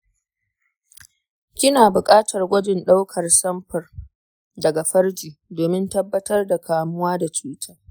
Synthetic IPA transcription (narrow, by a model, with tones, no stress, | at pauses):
kʲɪ˦naː˨bʊ˨kʼaː˦tʰɐ˨rɡʷɐ˦d͡ʒɪ˨nɗa˦wkʰɐ˨rsɐ˦mɸɐ˨r | dɐ˨ɡa˨ɸɐ˦rd͡ʒiː˨doː˨mɪ˦ntɐ˦bːɐ˦tɐ˦rda˨kʰaː˨mʊ˦waː˦da˨t͡ʃuː˦tʰaː˦